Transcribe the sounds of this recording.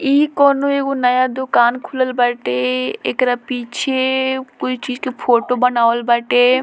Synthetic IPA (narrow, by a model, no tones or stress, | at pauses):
iːkɔːnoeːkonəjad̪ʊkaːnkʰʊləlbəʈeḛkɾapiːt͡ʃʰekoit͡ʃiːd͡ʒkepʰoːʈobənaːʋəlbəʈeː